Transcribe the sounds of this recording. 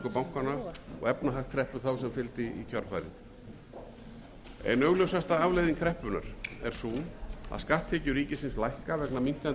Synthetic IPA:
kʏpawŋ̥kanaɔ̰ɣɛpnaɦḁt̪kʰɾɛhpʏ̥θawsɛmfɪlt̪ɪḭcʰœɾfa̰jɾɪ̰n | ɛ̰nœɣlœwsast̪aavlejðinŋkʰɾɛhpʏna̰ɾ̥ɛ̰ɾ̥suːna̰ðskaht̪ʰɛːcʏɾiːcɪsɪnslajhkavɛknamiŋ̥kan

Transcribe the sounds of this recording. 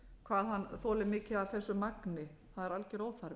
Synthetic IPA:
kʰvaːðhanːθɔːlɪmɪːcɪðavθɛsːʏmaknɪθaðɛɾalcɪɾoːwθaɾ

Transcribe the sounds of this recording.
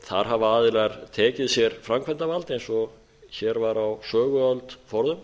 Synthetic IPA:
θaɾ̥ɦavaːðɪlɛɾt̪ʰɛːcɪðsjɛɾfɾamkʰvɛnt̪avalt̪ejnsɔ | çɛɾvaɾawsœːɣʏœlt̪fɔɾðʏm

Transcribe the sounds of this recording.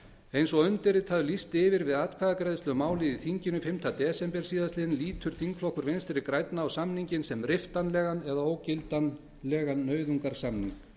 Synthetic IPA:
ejnsɔɣʏnt̪ɪɾɪt̪ʰaːðʏlist̪ɪːvɪɾvɪðaːt̪kʰaðakɾɛjðʏst̪ʏɣʏmaːwlɪðiθiɲcɪnʏfɪmt̪ʰat̪ɛːsɛmpɛɾ̥siːðast̪lɪnliːt̪ʰʏɾ̥θiŋkflɔhkʏɾvejnst̪ɛɾɪkɾajt̪naːwsamniɲcɪnsɛmrɪft̪anlɛːɣanɛðaoːwcɪlt̪an | lɛːɣanːœːɥðuŋkaɾ̥samnḭŋk

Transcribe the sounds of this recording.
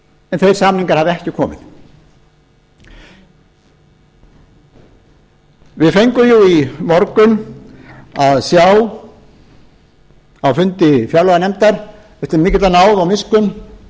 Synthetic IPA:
ɛnθejɾ̥saːmniŋkaɾ̥havɪɛhcɪkʰɔːmɪ̰ð | vɪðfejŋkʏjuimɔɾkʏn | aðsjaw | awfʏnt̪ɪfjœwlɔɣanɛmt̪aɾ̥ | ɛft̪ɪɾmɪːcɪt̪anaːwðawmɪskʏn

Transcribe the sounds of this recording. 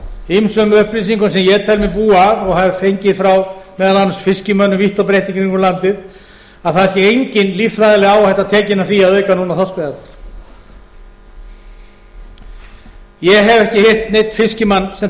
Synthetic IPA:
imsʏmʏhpɾisiŋkʏmsɛmjɛt̪ʰɛlmɪpuːaðɔɣhavfejɲcɪðfɾawmɛːðalanːsfɪscɪmœnːʏviht̪ɔpɾejht̪iŋkɾiŋkʏɾmlant̪ɪð | aðθasjɛejɲcɪnlifɾajðalɪɣaːwahɛht̪at̪ʰɛːcɪnaθiaðœːɥkanunaθɔskvɛat̪naɾ̥ | jɛɦɛvɛhcɪher̥t̪nejt̪fɪscɪmanːsɛm

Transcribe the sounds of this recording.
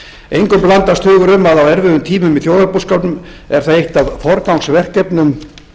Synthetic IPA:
ejŋkʏmplant̪ast̪hʏːɣʏɾʏmaðawɛɾvɪðʏmt̪ʰiːmʏmiθjowðapuskawt̪nʏm | ɛɾ̥θaðejht̪avfɔɾkawŋsvɛr̥kɛpnʏm

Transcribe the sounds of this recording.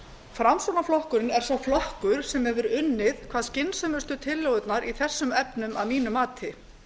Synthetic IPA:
fɾamsonaflɔhkʏɾɪnɛɾ̥sawflɔhkʏɾ̥sɛmhɛvʏɾʏnːɪðkʰv̥aːðscɪnsœmʏst̪ʏt̪ʰɪlːowʏt̪naɾiθɛsːʏmɛpnʏma̰ðmiːnʏmaːt̪ʰɪ

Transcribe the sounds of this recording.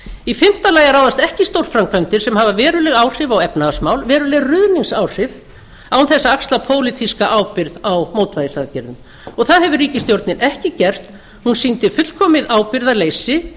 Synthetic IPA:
ifɪm̥t̪alaːjaɾaːwðast̪ɛhcɪst̪owɾ̥fɾamkʰvœɥnt̪ɪɾ̥sɛmhavavɛːɾʏlɛɣawr̥ɪvawɛpnasmawlvɛːɾʏlɛɣrʏðniŋsawr̥ɪv | awnθɛsːaakst̪lapʰoːwlit̪ʰiskaʔaːwpɪɾðawmoːwt̪vajðɪsaðcɛɾðʏm | ɔɣθaðhɛvʏɾiːcɪst̪jowɾt̪nɪnʔɛhcɪcɛr̥t̪ | hunsint̪ɪfʏt̪l̥kʰɔːmɪðaːwpɪɾðaleːjsɪ

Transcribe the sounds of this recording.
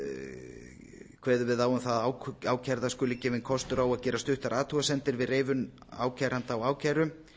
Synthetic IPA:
kʰv̥ɛːðʏvɪðaːwʏmθaðawaːwcʰaɾðaskʏːlɪcɛːvɪnkʰɔst̪ʏɾawaðcɛːɾast̪ʏht̪aɾʔaːt̪ʰuɣasɛnt̪ɪɾvɪðreːjvʏn | a̰ːwcʰajɾant̪awaːwcʰajɾʏm

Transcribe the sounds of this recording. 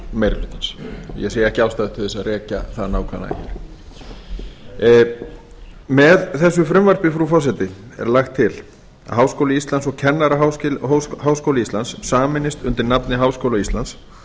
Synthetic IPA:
mejɾlʏt̪ɪnsjɛ̰seːjɛhcawst̪aːðɪt̪ʰʏɾðɛsaðrɛːca̰θaðnaːwkʰa̰na̰çɛ̰ɾ̥ | mɛðθɛsːʏfɾʏmvaɾ̥pɪfɾufɔs̬ɛt̪ɪ | ɛ̰ɾlaxt̪ʰːɪl | a̰ɦaːwskowlɪist̪lansɔɣcʰɛnːaɾaɦa | ɦawskowlɪist̪anssaːmɪnːɪst̪ʏnt̪ɪɾnapnɪɦaːwskowlaist̪ans

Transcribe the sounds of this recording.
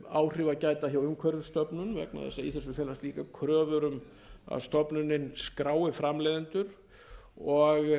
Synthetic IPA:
aːwr̥ɪvacaːjt̪açawʏmkʰœɾʏst̪œpnʏnvɛ̰kna̰ðɛ̰sːaḭθɛsʏθɛlast̪liːkakʰɾœːvʏɾʏm | a̰ðst̪ɔpnʏnːɪnskɾaːwɪfɾamleːðɪnt̪ʏɾ̥ | ɔɣ

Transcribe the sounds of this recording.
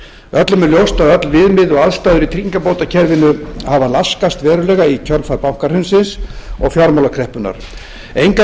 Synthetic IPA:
œt̪lʏmɛljowst̪aðœt̪lvɪðmɪðɔɣaðst̪ajðʏɾit̪ʰɾiŋkapoːwt̪acʰɛɾvɪnʏhavalaskast̪vɛːɾʏlɛːɣaicʰœɾlfaɾpawŋ̥kaɾ̥hʏnsɪnsɔɣfjaɾmawlakʰɾɛhpʏna̰ɾ̥ | ejŋka

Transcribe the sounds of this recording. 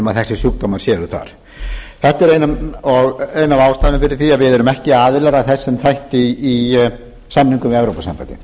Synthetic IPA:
maðθɛsːɪ̥suk̚t̪omaɾ̥sjɛːðʏθa̰ɾ̥ | θɛht̪ɛɾejnamɔɣejnavaːwst̪ajnʏfɪɾɪɾ̥θiaðvɪðɛɾʏmɛhcɪaːðɪlɛɾaθɛsːɛmθajht̪ɪː | samniŋkʏmɪðɛvɾowpasa̰mpajt̪ɪ̰

